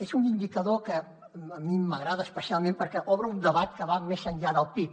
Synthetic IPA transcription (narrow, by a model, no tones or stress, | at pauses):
ezunind̪ikəðokəː | miməɣɾaðəːspəsialˠmẽmpəɾkɛʔɔβɾəund̪əβat̪kəβamezəɲʎaðəlˠpip̚